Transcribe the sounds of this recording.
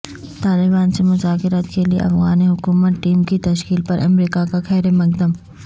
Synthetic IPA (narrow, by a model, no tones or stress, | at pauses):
t̪aːlɪbaːnsemʊzaːkɪɾat̪keliḛʔɐ̰fɣaːniɦʊkuːmət̪ʈiːmkit̪ɐʃkiːlpɐɾʔɐmɾiːkakaxɛːɾemɐk̚d̪əm